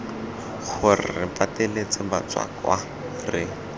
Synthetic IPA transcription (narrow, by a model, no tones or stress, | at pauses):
χʊrɪrɪ̰patelet͡sɪba̰t͡swa̰kwa | rɪ